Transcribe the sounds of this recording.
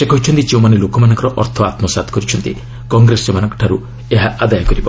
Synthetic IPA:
sekɔɦit͡ʃʰɔnt̪it͡ʃewmanelokɔmanɔ̃ŋkɔɾɔʔɔɾt̪ʰɔat̪mɔsat̪ʰkɔɾit͡ʃʰɔnt̪i | kɔŋɡɾesɔmanɔŋkɔ̥ʈʰaɾu | eɦaʔad̪ajɔkɔɾibɔ

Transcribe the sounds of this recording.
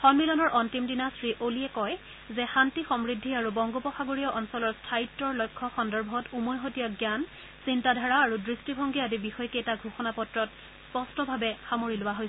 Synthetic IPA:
xɔnmilɔnɔɹʔɔntimdinasɹiʔoliɛkɔj | zɛxantixɔmɹidʱːiaɹubɔŋɡɔpɔxaɡoɹijɔʔɔnsɔlɔɹstʰaitːɔɹlɔjkʰːɔxɔndɔɹbʱɔtumonɦotijaɡjan | sintadʱaɹaːɹudɹistibʱɔŋɡiadibixɔjɔketaɡʱuxɔnapɔtɹɔt | spɔstɔbʱabɛxamoɹilʊwaɦoj

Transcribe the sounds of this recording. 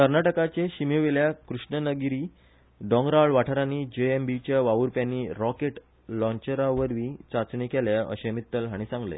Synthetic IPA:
kəɾnaʈəkat͡ɕeɕimoʋeljakɾuʂɳənəɡiɾiː | ɖɔ̃ŋɡɾaɭʋaʈʰəɾanid͡ʑeembit͡ɕjaʋaʋuɾpjanːiːɾɔkeʈ | lɔ̃ɲt͡ɕeɾaʋəɾʋĩt͡sat͡sɳikɛljaə̰ɕemit̪ːəlɦaɽ̃isãŋɡlḛ

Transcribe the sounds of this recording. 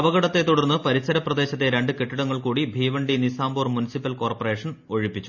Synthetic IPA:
ɐʋɐɣɐɽɐt̪ːe̞t̪ːuɽɐrnːɨpɐɾisɐɾɐprɐd̪e̞ːɕɐt̪ːe̞ɾe̞ɳɖɨkeʈːiɽɐŋːɐɭkuːɽibʱiːʋɐɳɖinisaːmboːrmunisipːɐlko̞ːrpɐreːʂɐno̞ɻipːit͡ɕːu

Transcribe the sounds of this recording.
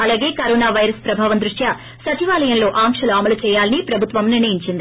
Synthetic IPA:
ɐlaːɡe̞ːkɐɾɔːnaːʋɐjɾɐspɾɐbʱaːʋɐnd̪ɾuʂja | sɐt͡ʃiʋaːlɐjɐnlo̞ːʔaːŋkʂɐluɐmɐlut͡ʃɛːjaːlɐnipɾɐbʱut̪ʋɐmniɾnɐjiɲt͡ʃind̪i

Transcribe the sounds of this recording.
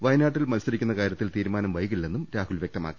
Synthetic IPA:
ʋɐjnaːʈːilmɐlsɐɾikʲːunːɐkaːɾjɐt̪ːilt̪iːɾumaːnɐmʋɐjɣiɭːe̞nːumɾaːhulʋjek̚t̪ɐma̰ːkːi̥

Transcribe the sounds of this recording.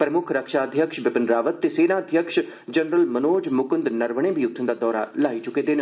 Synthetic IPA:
pɾəmʊkʰɾəkʃaːəd̪ʱjəkʃʋɪpənɾaːʋət̪ːeːseːnaːəd̪ʱjəkʃ | d͡ʒənɾəlmənoːd͡ʒmʊkənd̪nəɾʋəɽ̃ẽːbijʊk̚t̪ʰnd̪aːd̪ɔːɾa̰laːiːt͡ʃʊkeːd̪en

